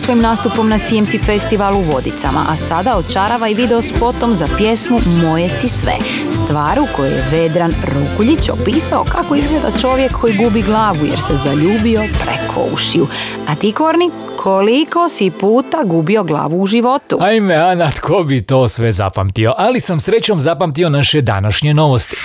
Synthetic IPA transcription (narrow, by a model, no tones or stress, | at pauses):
sʋo̞jimnaːst̪upo̞mnasijemsifest̪iʋalˠuʋo̞d̪it̪sa̰ma̰ʔasad̪aot̪t͡ʃaɾaʋaiʋid̪eospo̞t̪o̞mzapje̞smumo̞jesisʋḛ | st̪ʋaːɾuko̞jejḛʋe̞d̪ɾanɾokuʎit͡ɕo̰piːsao̰kako̞izɡled̪a̰t͡ʃo̞ʋje̞kʰːo̞jiɡuːbiɡlˠaːʋujeɾsezaʎuːbio̞pɾḛkʰo̰ṵʃiu | at̪ikoɾni | kʰo̞liko̞sipuːt̪aɡuːbio̞ɡlˠa̰ːʋuːʒiʋo̞t̪ṵajmeanat̪kʰobit̪o̞ːsʋeza̰pa̰mt̪io̞ʔalisamsɾet͡ɕomzapamt̪io̞naʃed̪a̰naʃɲeno̞ʋost̪i̥